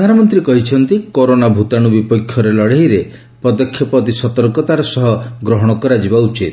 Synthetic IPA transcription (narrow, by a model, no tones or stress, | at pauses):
d̪ʱanɔmɔnt̪ɾikɔɦit͡ʃʰɔnt̪ikoɾonabʱut̪aɽ̃ubipɔkʰːjɔɾelɔɽeɦiɾe | pɔd̪ɔkʰjɔpɔt̪isɔt̪ɔɾkɔt̪aɾɔsɔɦɔɡɾɔɦɔɽ̃ɔkɔɾad͡ʒibaut͡ʃit̪̚